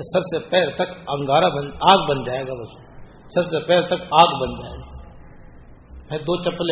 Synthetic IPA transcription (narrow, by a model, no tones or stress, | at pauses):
sɐbsepɛːlt̪ɐkɐ̃ŋɡaːɾabɐnaːɡbɐnd͡ʒaːeːɡaːbɐs | sɐbsepɛːlt̪ɐkaːɡbɐnd͡ʒaːeːɡaː | mɛ̃d̪oːt͡ʃɐpːl